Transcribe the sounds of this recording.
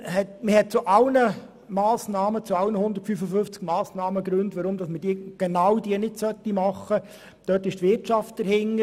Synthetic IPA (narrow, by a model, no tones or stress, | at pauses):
hɛtməhɛt̚t͡sʊʔɑlnə | mɑːsnɑːmət͡suɑlnəhʊnd̪əɾtfyfəføft͡sɡ̥mɑːsnɑːməɡɾʉntʋɑɾʊmd̥ɑsməd̥iəɡ̥ɛnɑwdiənɪdsœtːimɑχːə | d̥œːtɪʃtʋɪtt͡ʃɑft̚d̥əɾhɪŋːə